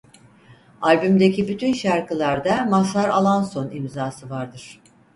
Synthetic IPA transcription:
alʲbymd̪ecʰibyt̪ʰynʃaɾkɯlˠaɾd̪amasaɾalˠanso̞nimzaːsɯvaɾd̪ɯɾ̥

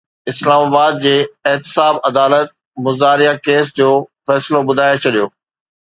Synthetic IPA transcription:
ɪslaːmaːbaːd̪̚d͡ʑeːɪɦt̪ɪ̥saːbɐd̪aːlət̪̚ | mʊzaːɾijakeːsd͡ʑoːfɛːsɪlobʊd̪ʱaːjot͡ɕʰɐɗijoː

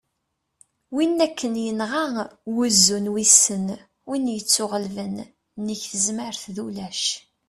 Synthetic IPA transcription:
winːækʰːənjənʁawʊzːunwisən | winjət͡sːʊʁəlvən | nəçθəzməɾθðulæʃ

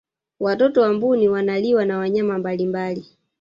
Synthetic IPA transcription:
watɔtɔwambuniwanaliwanawaɲamambalimbali

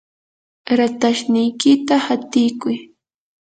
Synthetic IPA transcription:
ɾat̪aʃnɪjkɪt̪ahat̪ɪjkʊj

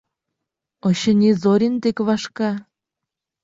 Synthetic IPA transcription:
oɕə̆nʲezoɾʲint̪ekβɑʃkɑ

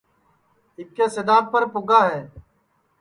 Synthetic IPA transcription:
ɪkːeːsɪd̪aːb̚pəɾpʊɡaːɦɛː

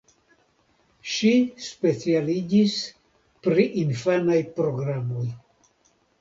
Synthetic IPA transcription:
ʃispe̞t͡sialid͡ʒis | pɾiʔinfanajpɾo̞ɡɾamo̞j

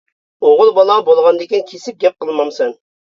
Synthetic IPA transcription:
oʁʊlˠbɑlˠɑbolˠʁɑnd̪ɪkʲinkʲʰesɪp̚ɡʲɛp̚qəlˠmɑmsɛn

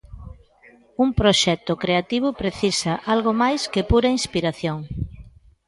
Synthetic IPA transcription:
uŋpɾoʃɛt̪ʊkɾeat̪iβ̞ʊpɾeθisɐʔalɣomajskɪpuɾɐinspiɾaθjoŋ

